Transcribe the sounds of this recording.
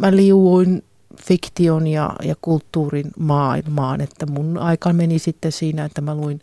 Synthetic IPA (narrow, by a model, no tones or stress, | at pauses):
mæliuwuin | fikt̪ionjɑ̰jɑ̰kult̪ːuːrinmɑːilmɑːnet̪ːæmunɑikɑmenisit̪ːesiːnæet̪ːæmæluin